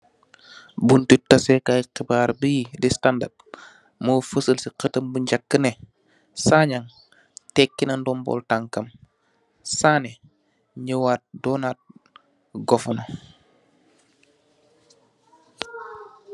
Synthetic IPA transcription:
buntitɐsɛkajqibaːɾbidistanda̰t̚ | mofəsəlsiqətəmbuɲɟakːənɛ | saɲaŋ | tɛkːinɐndɔmbɔ̰ltaŋkɐm | saːnɛ | ɲəwaːt̚dɔnaːt̚ | ɡɔfɔno

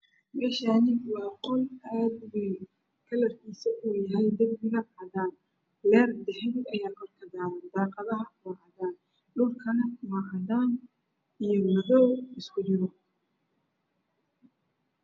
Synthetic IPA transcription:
mɛːʃaːnɪwɑːqɔlaːd̪wi | kʰɐlɐrkʰiːsɐʔuːjɐɦɛjd̪ɐbbɪɣɐɐðaːn | lɛːrd̪ɛħɛnd̪ɐjaːmɐrkʰɐd̪aːɾɐd̪aːqɑðɐɦɐkʰʊmɑʔɐðaːn | ɖʊlkʰɐnɐkʰʊwɐʔɐd̪aːn | ijɔwɐðɔwɪskʰʊd͡ʒɪɾɔ

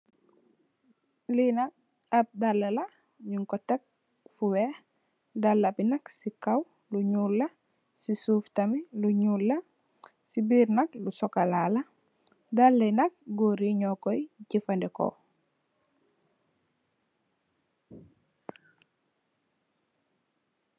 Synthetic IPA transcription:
linak̚ | ap̚dalːela | ɲuŋkɔtek̚ | fuwɛ | dalːapinaksikaw | luɲuːlːa | sisuːftamiluɲuːlːa | sibiːɾnɐklusɔkalala | dalːɛnɐk̚ɡoɾiɲɔkoiɟifandɛko̰

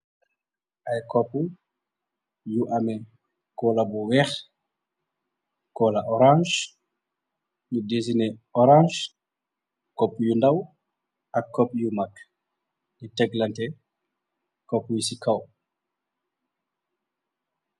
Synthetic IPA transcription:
ʔɐjkɔpːu | juʔɐmɛ | kɔːlɐbuwɛx | kɔːlɐʔɔɾãnʒ | judezinɛɔɾãːʒ | kɔpːujundɐw | ɐkːɔp̚jumɐk | nitɛɡlɐntɛ | kɔpːujusikɐw

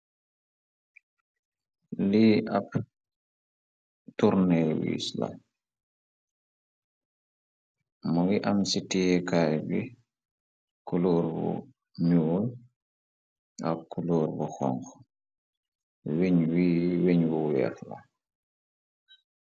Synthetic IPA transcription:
liːʔap̚ | tuɾnɛlwḭːsla̰ | muɡiʔamsitiɛkaːjbi | kulɔːɾbṵ | ɲul | ʔa̰p̚kːulɔːɾbɔxɔ̰ŋk | weɲwiːweɲbuwɛ̰ːfla̰

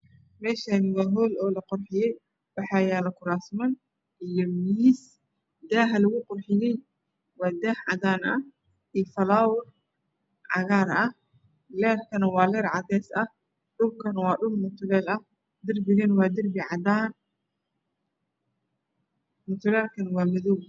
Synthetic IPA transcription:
mɛːʃɐmʊɣɐɦɔːlɔːlɐqɔrħɪjɛj | wɑħɑːjaːlɐkʰʊɾaːsmɐn | ɪjɔmiːs | d̪aːɦɐlɐɣʊqɔrħɪjɛj | wɑːd̪aːhʕɑ̰daːnʔɐ | ifɐlaːwʊr | ʕɑ̰ɣaːɾɐh | lɛːrkʰɐnɐwɑːlɛːrʕɑd̪ɛːsɐh | ɖʊlkʰɐnwɑːɖʊlmʊt̪ʰʊlɛːlɐh | d̪ɪrbɪɣɐnwɑːd̪ɪrbɪʕɑdaːn | mʊt̪ʰʊlɛːlkʰɐnɐwɑːmɐðuw

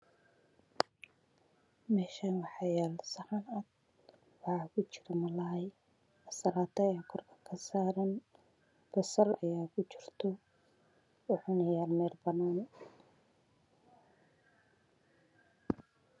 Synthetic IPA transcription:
mɛːʃaːnwɑħɑjaːlsɐħɑnad̪ | wɑħɑkʰʊt͡ʃɪ̥ɾɐmɐlɐɦɐj | ɐsɐlaːt̪ʰɐjɐkʰɔrkʰɐ̥kʰɐsaːɾɐn | b̥ɐsɐrɐjaːkʰʊt͡ʃɪrt̪ʰɔ | ʊħʊnɐjaːlmɛːlbɐnaːnɛ

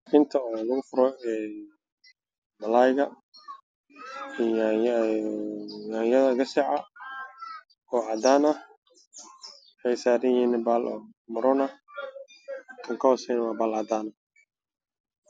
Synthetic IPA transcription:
ħɪnt̪ʰɐɔːnʊɣʊfʊɾɔɛː | mɐlaːjɣɐ | jaːjɐðɐɡɐsɛʕɑ | ɔːʕɑd̪aːnɐ | ħɛjsaːɾɪjinɪbaːlʔɔ̰ːmʊɾɔnɐ | kʰɐŋkʰɐhɔːsɛjnwaːbaːlɑd̪aːnɐ

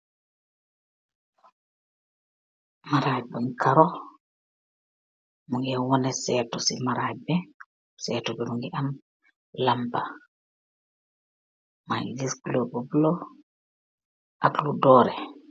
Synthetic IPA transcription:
maɾaːjbɔnkʰaɾɔ | muŋɡiamwɔnɛsɛtɔsimaɾajbɛ | sɛːtɔbɛmuŋɡɛʔam | lamba | maidisɡlobubulɔ | ʔakludɔːɾɛ

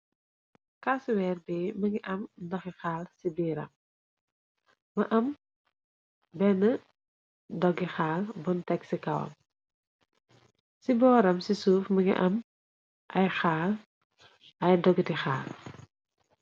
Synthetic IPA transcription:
kaswɛːrbɛːmɐŋɡiʔɐmdɐxixaːlsibiːɾɐ̰m | ɐʔɐm | bɛnːə | dɔɡːixaːlbɔntɛksikɐwɐ̰m | sibɔːɾɐmsisuːfmɐŋḭʔɐm | ʔɐjxaːl | ɐjdɔɡitixa̰ːl

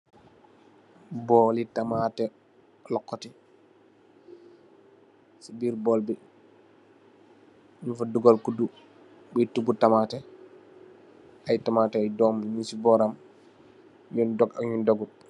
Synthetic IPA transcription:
bɔlitamatɛ | lɔkːɔti | sibiːɾbɔlbi | unfuduɡɔlkudu | bitubutamatɛ | ʔajtamatɛajdɔmɲunsibɔɾam | jundɔɡaɲundɔɡu

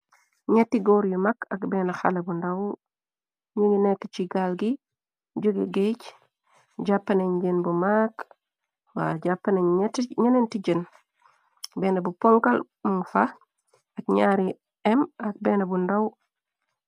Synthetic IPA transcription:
ɲɛtːiɡɔːɾjumakɐkbɛnaxa̰lɐbundaw | ɲiŋinɛkːt͡ʃiɡalɡi | ɟuɡeɡec | ɟapːɐneɲɟenbumaːk | wa̰ɟapːɐnetɲanentiɟən | bɛːnabupɔŋkal | muŋfa | akɲaːɾi | ɛmɐk̚bɛnɐbundaw

